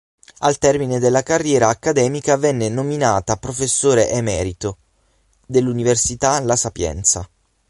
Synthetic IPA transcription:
alt̪ɛrmined̪elːakarːjɛːɾaːkːad̪ɛːmikavɛnːenominaːt̪apɾofesːoːɾeʔɛmɛːɾit̪o | d̪elːuniversit̪alasapjɛ̰nt̪sa̰

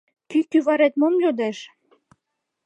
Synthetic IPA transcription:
kykyβɑɾet̪momlʲod̪æʃ

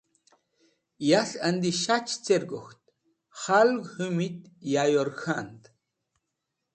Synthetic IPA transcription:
jaɬand̪iʃat͡ʃt͡seɾɡoxt̪̚ | χalɡhɨmit̪ | jajoɾxant̪

